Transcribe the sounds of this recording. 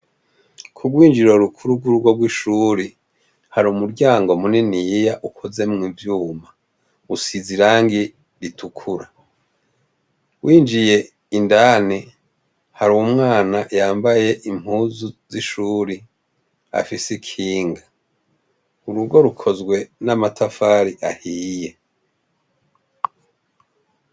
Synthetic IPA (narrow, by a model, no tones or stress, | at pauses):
kʰuɡwiːnd͡ʒiɾo̞ɾukʰuɾuɡuɾuɡwo̞ɡwiʃuːɾi | haɾumuɾɟaːŋɡo̞muninijaʔukʰoze̞mŋivjuːma | usiziɾaːŋɡi | ɾitʰukʰuɾa | wʔiːnd͡ʒije̞ | indaːni | haɾuwumŋaːnajaːmbaje̞ʔim̥huːzuziʃuːɾi | a̰fisikʰiːŋɡa | uɾuɡo̞ɾukʰo̞zɡwe̞namatʰafaːɾiʔahiːje̞